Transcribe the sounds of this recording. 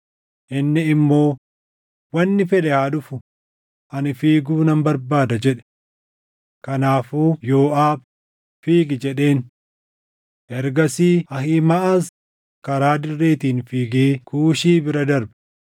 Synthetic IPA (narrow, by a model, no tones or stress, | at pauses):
ʔɪnːɪɪmːo̞ː | wɐnːɪfɛᶑɛhaːᶑʊfʊ | ʔɐnɪfiːɡuːnɐmbɐɾbaːd̪ɐd͡ʒɛᶑɛ̥ | kɐnaːfuːjo̞ːʔaːb | fiːɡɪd͡ʒɛᶑe̞ːn | ʔɛɾɡɐsiːɐhiːmɐʔas | kɐɾaːd̪ɪrːe̞ːt̪iːnfiːɡeːkuːʃiːbɪɾɐd̪ɐɾbɛ̥